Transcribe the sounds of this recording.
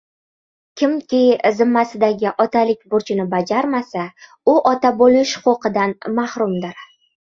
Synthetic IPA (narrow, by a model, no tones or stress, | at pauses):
kʲʰɪmkʲɪjzɪmːasɪd̪aɡʲɪʔɒt̪ʰalɪk̚ʲbʊɾt͡ʃʰɪnɪbad͡ʒaɾmasa | ʊʔɒt̪abolɪʃqoqɨd̪anmahɾʊmd̪ɪɾ